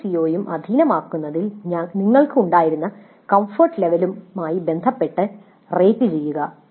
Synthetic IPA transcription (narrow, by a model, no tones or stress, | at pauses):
sio̞ːjumʔɐ̰d̪ʱinɐmaːkːunːɐðilɲaniŋːɐɭkɨuɳɖaːjiɾunːɐ | kɐmfoːrʈle̞ʋɐlumːaːjibe̞nd̪ʱɐpːe̞ʈːɨ | reːpːɨt͡ɕe̞jːuɣɐ